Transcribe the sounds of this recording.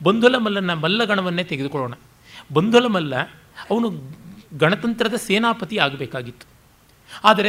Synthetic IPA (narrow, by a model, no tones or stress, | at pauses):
bɐnd̪ʱulɐmɐlːɐnːɐmɐlːɐɡɐɳɐʋɐnːeːt̪eɡed̪ukɔɭoːɳɐ | bɐnd̪ʱɐlɐmɐlːɐ | ɐʋɐnuɡɐɳɐt̪ɐnt̪ɾɐd̪ɐseːnaːpɐt̪iaːɡɐbeːkaːɡit̪ːu̥ | aːd̪ɐɾe